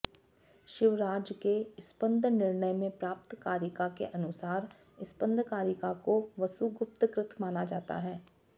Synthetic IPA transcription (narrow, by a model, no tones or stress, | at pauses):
ʃɪʋɾaːd͡ʒkeɪspə̃nd̪ʱnɪɾnəjmẽpɾaːp̚t̪kaːɾjɪkakḛʔɐnʊsaːɾ | ɪspə̃nd̪ʱkaːɾjɪkakoʋɐsuɡʊp̚t̪kɾɪt̪ʰmaːnad͡ʒaːt̪a̰ɦɛː